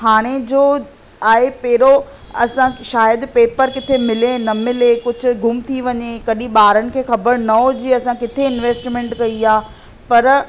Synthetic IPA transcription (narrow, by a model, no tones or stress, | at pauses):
ɦaːɽ̃ed͡ʑoː | aːɦepeːɾo | ɐsãʃaːjəd̪peːpəɾkɪt̪ʰemɪlenɐmɪlekʊd͡ʑʱʊ̆ɡʱʊmt̪ʰiʋɐɲekɐɗĩɓaːɾənɪ̆kʰeːxɐbəɾnɐɦod͡ʑiːɐsãkɪt̪ʰeɪnʋeːsʈmẽɳʈkɐiaː | pɐɾ